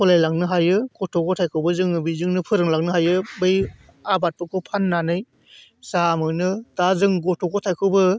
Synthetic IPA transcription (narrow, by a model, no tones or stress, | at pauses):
kʰɔlajlaŋ̚nɯɦajɯɡɔtʰɔkʰɔtʰajkʰɯwbɯzɯŋɯbizɯŋnɯpʰɯɾɯŋlaŋ̚nɯɦajɯbɯj | abat̚pɔkʰɯpʰanːanɯj | samɯnɯtazɯŋɡɔtʰɔkʰɔtʰajkʰɯwbɯ